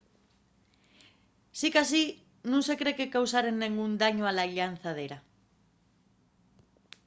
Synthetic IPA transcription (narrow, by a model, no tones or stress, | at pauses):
sikas̬i | nũnse̞kɾekekawsaɾenːẽŋɡund̪aɲoalaʎan̟θað̞eɾa